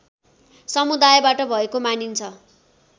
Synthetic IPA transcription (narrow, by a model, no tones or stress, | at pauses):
sʌmud̪ajbaʈʌbʱʌekomanint͡sʰʌ